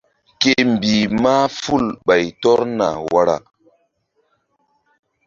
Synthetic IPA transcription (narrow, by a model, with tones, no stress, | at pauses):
ke˦m˨bi˨ma˦fu˦˨lɓa˨jtɔ˦ɾna̰˨wa˦ɾa̰˨